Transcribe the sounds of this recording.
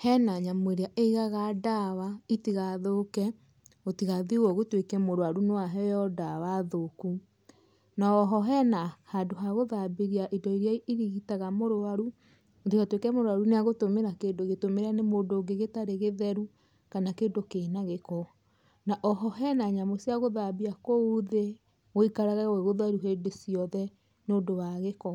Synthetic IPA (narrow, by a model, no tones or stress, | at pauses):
hɛnaɲamoeɾeaʔeiɣaɣadawaitiɣaðoːkɛ | otiɣaðiwɔɣotwekɛmoɾoaɾunoaɦɛjɔdawaðoku | naɔɦɔɦɛnahadoɦaɣoðabeɾiaʔidɔiɾjaiɾiɣitaɣamoɾoaɾu | oteatwekɛmoɾoaɾuneaɣotomeɾakeːndoɣetomeɾanemoːndoːɡeɣetaɾeɣeðɛɾu | kanakeːndokeːnaɣekɔ | naʔɔɦɔɦɛnaɲamosiaɣoðabiakouðe | oikaɾaɣaɣoeɣoðwaɾuɦeːndesiɔðɛ | noːdowaɣekɔ